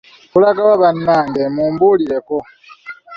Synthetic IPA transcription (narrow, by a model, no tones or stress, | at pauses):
kulaɡawaβanːaːŋdemuːmbuːliɾeko